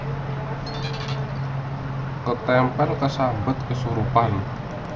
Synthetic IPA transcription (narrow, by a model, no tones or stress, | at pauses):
kət̪ɛmpɛlkəsabət̪̚kəsuɾupan